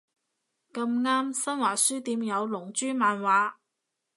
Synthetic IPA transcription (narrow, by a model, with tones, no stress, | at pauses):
kɐ˧mŋaː˥msɐ˥nwaː˨˩syː˥t̪iː˧mjɐ˨˧wlʊ˨˩ŋt͡ʃyː˥maː˨˧nwaː˨˧